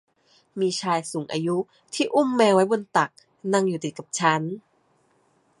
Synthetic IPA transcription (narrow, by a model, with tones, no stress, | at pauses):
miː˧t͡ɕʰaː˧jsuː˩˦ŋʔa̰ː˧ju˦˥ | t̪ʰiː˥˩ʔu˥˩˨mːɛː˧wa˦˥jbo˧nt̪a˨˩k̚ | na˧ŋjuː˨˩t̪i˨˩t̪̚ka˨˩p̚t͡ɕʰa˦˥n